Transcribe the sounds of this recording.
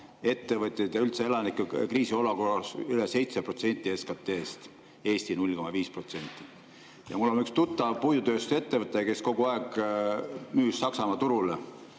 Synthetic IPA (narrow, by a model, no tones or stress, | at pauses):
e̞t̪ːe̞vɨt̪ʲˑːed̪̥ɑylt̪see̞lɑnikːˑukriːsio̞lukorɑsylese̞jt̪sepro̞t̪se̞nt̪ʲːˑieskɑt̪ːˑeːst̪ | e̞ːst̪inulʲko̞mɑviːspro̞t̪se̞nʲt̪ːˑi | jɑ̰mulːonykst̪ut̪ːˑɑpujut̪ø̞ːst̪u̥se̞t̪ːevɤt̪ːˑeke̞sko̞ɡ̥uɑeɡ̥ | myːsːɑksɑmɑt̪uɾule